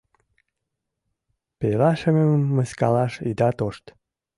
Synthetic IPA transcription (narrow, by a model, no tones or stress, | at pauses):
pelɑʃəməmːəskɑlɑʃid̪ɑt̪oʃt̪